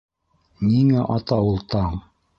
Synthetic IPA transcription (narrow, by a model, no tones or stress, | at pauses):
niŋæʔɑt̪ɑulˠt̪ɑɴ